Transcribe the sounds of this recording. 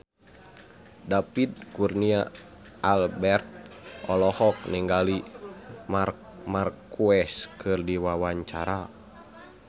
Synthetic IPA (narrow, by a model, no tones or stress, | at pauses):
dapid̚kurnia | albɛrt̪̚ʔɔlɔhɔk̚niŋɡali | mar | markuɛskʰɨrdiwawaɲt͡ʃaɾa